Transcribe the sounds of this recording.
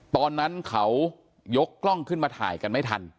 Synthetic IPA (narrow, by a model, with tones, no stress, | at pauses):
t̪ɔː˧nːa˦˥nkʰa˦˥w | jo˦˥kːlɔ˥˩ŋkʰɯ˥˩nmaː˧t̪ʰa̰ː˩˦jka˧nma˥˩jt̪ʰa̰˧n